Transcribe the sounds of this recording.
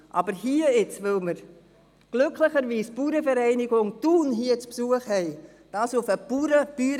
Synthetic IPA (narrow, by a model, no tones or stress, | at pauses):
ʔɑ̰bəɾhiːəɪt͡svɪlməɾ | ɡ̥lʏkʰlɪχəɾviːspuːɾəfəɾɛɪnɪɡʊŋtuːnɦiːət͡spsuːəχhɛɪ | d̥ɑːsʊfəpuɾəb̥yːɾ